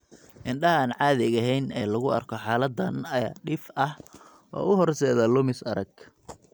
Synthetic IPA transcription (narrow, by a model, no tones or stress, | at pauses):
ʔɪnɖɐɦɐaːnʕɑːðɪɣɐɦɛjnɛːlɐɣʊɐ̰rkʰɔħɑːlɐd̪ɐnɐaːɖɪfɐh | ʔɔ̰ːʊɦɔrsɛːðɐlʊmɪsɐɾɐɡ